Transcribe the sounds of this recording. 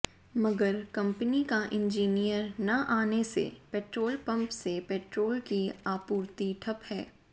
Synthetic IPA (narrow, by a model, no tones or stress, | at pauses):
mɐɡəɾkɐ̃mpnikaʔɪ̃nd͡ʒiːnijəɾnɐʔaːnesḛpeːʈɾoːlpɐ̃mpsepɛːʈɾoːlkiaːpuːɾt̪iʈʰɐphɛː